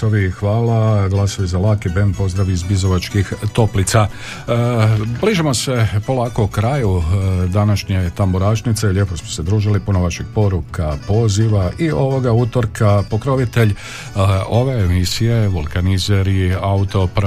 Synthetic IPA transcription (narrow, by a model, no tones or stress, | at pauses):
oʋixʋaːlaɡlˠasoʋizalaːkeben̚po̞zd̪ɾaʋiizbizoʋat͡ʃkixt̪o̞plit̪sa | bliːʒimo̞se̞po̞laːko̞ukɾajud̪anaʃɲe̞t̪amboɾaːʃnit̪selʎe̞po̞smose̞d̪ɾuːʒilipunoʋaʃiɡ̥̚po̞ɾukapo̞ziʋaʔio̞ʋo̞ɡaut̪o̞ɾkapo̞kɾo̞ʋit̪e̞ʎ | o̞ʋe̞ːmisije̞ʋulˠkanizeɾiaut̪o̞pɾ